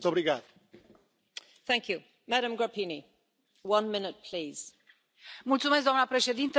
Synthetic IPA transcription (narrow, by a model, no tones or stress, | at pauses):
t̪obɾiɣað | θæ̃ŋkju | mæɾə̃mɡɹapʰini | wʌ̃nmɪ̃nɨt̪̚pʰl̥iːz̥ | mult̪sumes̬k̚d̪oanəpɾe̞ʃe̞d̪int̪ə